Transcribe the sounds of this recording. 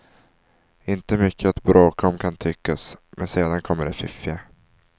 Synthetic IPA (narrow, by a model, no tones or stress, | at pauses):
ɪnt̪əmʏkʰːəat̪bɾʔoːkɔmkʰant̪ʰʏkːasmɛnseːd̪ankʰɔmːəɖɛfɪfɪa